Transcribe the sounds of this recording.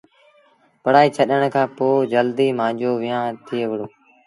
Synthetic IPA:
pəɽ̤aːiːt͡ʃʰəɗəɽ̃kʰãːpoːd͡ʒəld̪iːmãːd͡ʒoːʋɪjãːt̪ʰɪeːʋəɽoː

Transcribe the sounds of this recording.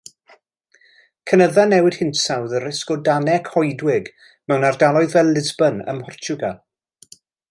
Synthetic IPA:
kʰənəðanɛwɪd̥hɪntsawðəɾɛskɔdanɛkʰhɔjdwɪɡ | mɛwnardalˠɔɨðvɛlˠɪzbənə̰mhɔrt͡ʃʰʊɡa

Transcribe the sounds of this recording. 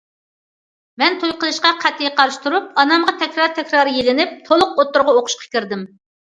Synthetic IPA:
mɛnt̪ʰojqəlˠɨʃqɑqʰæt̪ʰːɪjɛqʰɑɾʃt̪uɾup̚ɑnɑmʁɑt̪ʰɛkʲɾɑɾt̪ʰɛkʲɾɑːɾɨjelɪnɪp̚t̪ʰolˠʊqot̪ːʊɾʁɑoqʰʊ̥ʃqʰɑ̥kʲiɾd̪ɪm

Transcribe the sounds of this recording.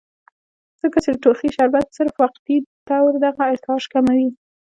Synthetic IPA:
d͡z̥əkat͡ʃed̪əʈoxiʃaɾbat̪səɾfwaq̚t̪it̪awɾd̪aɣaɪɾt̪ɑʒkamawi

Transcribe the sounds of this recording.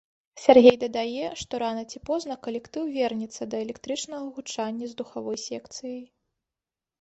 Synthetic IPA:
sʲarɣʲejd̪ɐd̪ajɛʂt̪ɔɾanɐt͡sʲipɔznɐkɐlʲɛkt̪ɨwvʲɛrnʲɛt̪sːɐd̪ɐɛlʲɛkt̪ɾɨt͡ʂnɐɣɐɣut͡ʂanʲːɐzd̪uxavɔjsʲɛkt̪sɨjɐj

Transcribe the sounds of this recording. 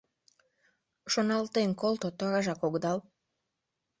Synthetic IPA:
ʃonɑlt̪enkolt̪ot̪oɑɣɑʒɑkoɣd̪ɑl

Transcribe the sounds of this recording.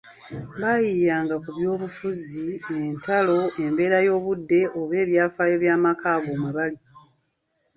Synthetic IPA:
βajijaːŋɡakuβjo̞ːβufuzientalo̞e̞mbe̞ːɾajo̞ːβudːe̞ʔoβe̞ːβjaːfaːjo̞βjaːmakaːβoːmaβali

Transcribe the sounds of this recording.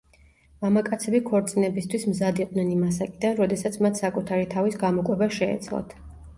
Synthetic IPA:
mamakʼat̪sʰɛbikʰɔɾt̪sʼinɛbist̪ʰwismzad̪iqʼnɛnimasakʼid̪anɾɔd̪ɛsat̪sʰmat̪ʰsakʼut̪ʰaɾit̪ʰavisɡamɔkʼwɛbaʃɛ̰ːt̪sʰlɔ̰t̪ʰ

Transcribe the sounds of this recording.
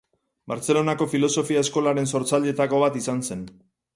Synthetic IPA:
baɾt͡se̞lo̞nako̞filo̞so̞fiaesko̞laɾe̞nso̞ɾt͡saʎe̞t̪ako̞β̞at̪isanse̞n

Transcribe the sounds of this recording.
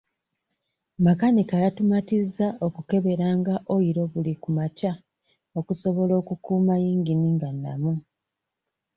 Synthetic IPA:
makanikajatumatizːao̞kuke̞βe̞ɾaːŋɡaʔo̞iɾo̞βulikumaca | o̞kuso̞βo̞lo̞ːkukuːmajiːŋɡiniːŋɡanːa̰mu

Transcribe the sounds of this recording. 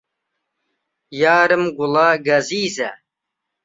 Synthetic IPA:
jaːɾɨmɡulaɡɐziːzɐ

